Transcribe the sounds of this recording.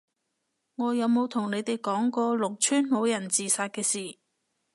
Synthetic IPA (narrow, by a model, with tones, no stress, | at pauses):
ŋɔː˨˧jɐ˨˧wmo˨˧wt̪ʰʊ˨˩ŋne˨˧jt̪e˨jkɔː˨˥ŋkɔː˧lʊ˨˩k̚t͡ʃʰyː˥nmo˨˧wjɐ˨˩nt͡siː˨saː˧t̚kɛː˧siː˨˩